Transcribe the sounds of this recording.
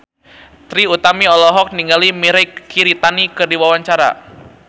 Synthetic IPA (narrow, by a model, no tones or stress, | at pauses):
t̪ɾiut̪amiɔlɔɦɔk̚niŋɡalimiɾɛkiɾit̪anikɨrdiwawaɲt͡ʃaɾa̰